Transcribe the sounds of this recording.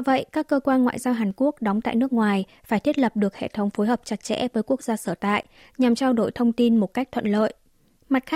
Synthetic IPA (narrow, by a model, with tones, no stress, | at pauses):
və̰˧˨jkaː˦˥kːəː˧kwaː˧nŋwa̰ː˧˨jzaː˧wɦaː˨˩nku˦˥ək̚ɗwŋ͡mt̪a̰ː˧˨jnɨ˦˥ək̚ŋwaː˨˩j | faː˩jt̪ʰi˦˥ət̚lə˨˩p̚ɗɨ˨˩ək̚hḛ˧˨t̪ʰə˨˦wŋ͡mfo˨˦jɦəː˨˩p̚t͡ɕa˨˩t̚t͡ɕɛ̰˧˥vəː˨˦jku˦˥ək̚zaː˧səː˧˩t̪a̰ː˧˨j | ɲa˨˩mt͡ɕaː˧wɗo˧˩jt̪ʰə˧wŋ͡mt̪i˧nmo˨˩t̚ka˦˥k̚t̪ʰwə̰˧˨nlə̰ː˧˨jʔ | ma˨˩t̚x